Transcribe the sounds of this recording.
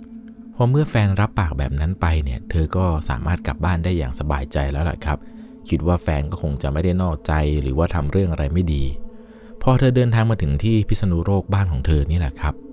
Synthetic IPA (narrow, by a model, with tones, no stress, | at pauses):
pʰɔ˦˥mɯ˥˩ɐfɛː˧nɾa˦˥pːaː˨˩k̚bɛ̰ː˨˩p̚na˦˥npa˧jni˥˩ɐt̪ʰɤː˧kɔː˥˩sa̰ː˩˦maː˥˩t̪̚kla˨˩p̚baː˥˩ndaː˥˩jːa̰ː˨˩ŋsa˧baː˧jt͡ɕa˧jlɛː˦˥wla̰˨˩kʰɾa˦˥p̚ | kʰi˦˥t̪̚waː˥˩fɛː˧nkɔː˥˩o˧ŋt͡ɕa˨˩ʔma˥˩jda˥˩jnɔː˥˩k̚t͡ɕa˧jɾɯ̰ː˩˦waː˥˩t̪ʰa˧mɾɯ˥˩əŋʔa˧ɾa˧jma˥˩jdiː˧ | pʰɔː˧t̪ʰɤː˧dɤː˧nt̪ʰaː˧ŋmaː˧t̪ʰɯ˩˦ŋt̪ʰiː˥˩pʰi˦˥t̪̚sa˧nu˦˥ɾoː˥˩k̚baː˥˩nkʰɔː˩˦ŋt̪ʰɤː˧niː˦˥lɛ̰˨˩kʰa˦˥p̚